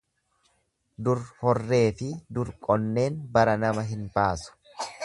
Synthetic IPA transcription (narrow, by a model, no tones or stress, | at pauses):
d̪ʊɾhɔrːe̞ːfɪd̪ʊɾkʼɔnːe̞ːnbɐɾɐnɐmɐɦɪnbaːsʊ̥